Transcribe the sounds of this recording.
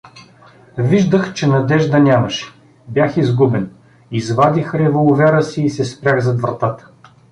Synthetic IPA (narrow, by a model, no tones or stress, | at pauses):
viʒd̪əxt͡ʃɛnɐd̪ɛʒd̪ɐnʲaməʃɛ̥ | bʲjaxizɡubɛn | izvad̪ʲixɾɛvolˠʊvɛɾəsiːsɛspɾʲjaɣzɐd̪vɾɐt̪at̪ə̥